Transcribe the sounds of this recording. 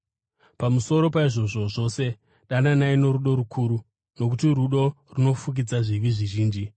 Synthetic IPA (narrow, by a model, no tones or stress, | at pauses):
pamuso̞ɾo̞paiʐo̞ʐo̞ʐo̞se̞ | ɗananaino̞ɾuɗo̞ɾukʰuːɾu | no̞k̬utiɾuɗo̞runo̞fuk̬id͡zaʐiʋiʐiʒiːnd͡ʒi